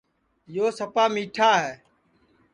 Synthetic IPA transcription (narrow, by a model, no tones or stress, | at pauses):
joːsəpaːmiːʈʰaːɦɛː